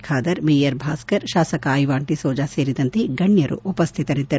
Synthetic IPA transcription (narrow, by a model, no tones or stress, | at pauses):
kʰaːd̪ɐɾmejɐɾbʱaːskɐɾʃaːsɐkɐːjʋaːɳʈisɔːd͡ʒaːseːɾid̪ɐnt̪eɡɐɳjɐɾṵʔupɐst̪ʰit̪ɐɾid̪ːɐɾu